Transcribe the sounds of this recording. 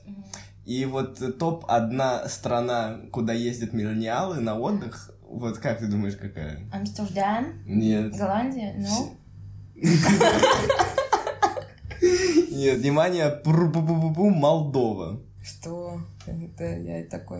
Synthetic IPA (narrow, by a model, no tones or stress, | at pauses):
ivo̞t̪ːo̞pɐ̰d̪nast̪ɾɐnakʊd̪ajezʲdʲət̪mʲɪlʲənʲɪalˠɨnɐo̞d̪ːɨx | vo̞t̪kak̚t̪ɨd̪uməjɪʂkɐka̰jə̰ɐmst̪ərd̪annʲet̪ɡɐlˠanʲdʲɪjəno | nʲet̪vnʲɪmanʲɪjəpɾububububumɐlˠd̪o̞və̰ | ʂt̪o | ɛt̪əja̰t̪ɐkoj